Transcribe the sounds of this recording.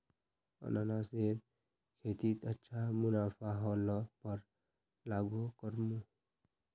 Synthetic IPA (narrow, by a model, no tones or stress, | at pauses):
ʌ̰nanaseɾ | kʰet̪it̪ətːʃʰamunapʰaɦɔlɔpəɾ | laɡukəɾmu